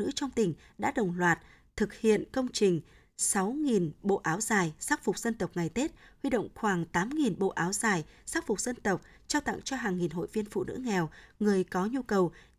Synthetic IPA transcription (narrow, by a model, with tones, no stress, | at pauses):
ɨ̰˧˥t͡ɕɔ˧wŋ͡mt̪ï˨˩ŋ̟ | ɗa̰ː˧˥ɗə˨˩wŋ͡mlwaː˨˩t̚ | t̪ʰɨ˨˩k̚hḭ˧˨ənkə˧wŋ͡mt͡ɕï˨˩ŋ̟ | sa˨˦wŋi˨˩nɓo̰˧˨ʔaː˨˦wzaː˨˩jsaː˦˥k̚fʊ˨˩k͡p̚zə˧nt̪ə˨˩wk͡p̚ŋa˨˩jt̪e˦˥t̚hwi˧ɗə̰˧˨wŋ͡mxwaː˧˩ŋt̪aː˨˦mŋi˨˩nɓo̰˧˨ʔaː˨˦wzaː˨˩jsaː˦˥k̚fʊ˨˩k͡p̚z̥ə˧nt̪ə˨˩wk͡p̚ | t͡ɕaː˧wt̪a̰˧˨ŋt͡ɕɔ˧ɦaː˨˩ŋːi˨˩nɦo̰˧˨jvi˧ənfṵ˧˨nɨ̰˧˥ŋɛ˨˩wŋɨ˨˩əjkɔ˨˦ɲu˧kə˨˩w